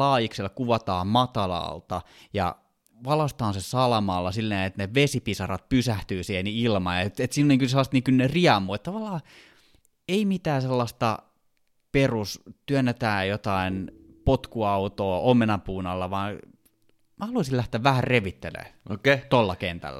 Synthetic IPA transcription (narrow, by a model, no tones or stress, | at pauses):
lɑːjikselːkuʋɑt̪ɑːmmɑt̪ɑlɑ̰lt̪ɑjɑ̰ | ʋɑlɑst̪ɑːnsesɑlɑmɑlːɑsilːeːet̪neʋesipisɑrɑt̪̚pysæht̪yːsiheniilmɑ̰et̪et̪siːnoniŋkyselːɑst̪niːŋkylneriɑmuːet̪t̪ɑʋɑlːˑɑː | eimit̪æːselːɑst̪ɑ̰ | perust̪yønːet̪æːjot̪ɑinpot̪kuɑut̪oːomenɑpuːnɑlːɑʋɑːn | mæhɑluɑsilæht̪eæːʋʋæhærreʋit̪ːḛlḛːokt̪olːɑkent̪æ̰lːæ̰